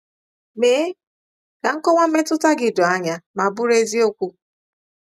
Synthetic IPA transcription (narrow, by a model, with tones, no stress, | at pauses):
me˨˦ | ka˨ŋ̩˦kɔ˦ŋʷa˦m̩˦me˦tʊ˦ta˦ɡɪ˨dʊ˨a˦ɲa˦ma˨bʊ˦ɾe˦zi˦o˦kʷu˦